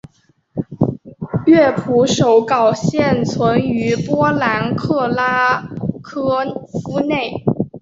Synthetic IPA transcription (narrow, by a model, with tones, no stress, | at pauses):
ɥɛ˥˩pʰu˧˥ʂo˧˥ʊkɑ˨˩ʊɕjɛ˥˩nt͡sʰwə˧˥ny˧˥pwɔ˥la˧˥nkʰɤ˥˩la˥kʰɤ˥fu˥ne˥˩ɪ